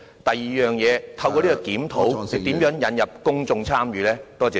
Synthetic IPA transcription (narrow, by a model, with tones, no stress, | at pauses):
t̪ɐ˨jjiː˨jœː˨ŋjɛː˨˧t̪ʰɐ˧wkɔː˧liː˥kɔː˧kiː˨˥mt̪ʰo˨˥wɪ˨t̪i˨˥mjœː˨˥ŋjɐ˨˥njɐ˨p̚kʊ˥ŋt͡sʊ˧ŋt͡sʰaː˥mjyː˨˧lɛː˥t̪ɔː˥t͡sɛː˨˧